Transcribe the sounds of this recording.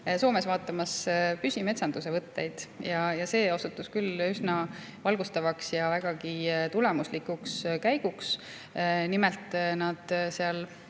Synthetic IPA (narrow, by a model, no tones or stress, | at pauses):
so̞ːme̞svɑːt̪ːˑɑmɑspysʲime̞t̪sɑnd̪̥us̬e̞vɤt̪ːe̞jd̪̥jɑjɑse̞ːo̞sut̪ːˑuskylysnɑ | vɑlɡ̥ust̪ɑvɑksjɑvæɡ̥ɑkit̪ulɛmuslikukskæjɡ̥uks | nimɛlt̪ˑnɑd̪̥seɑl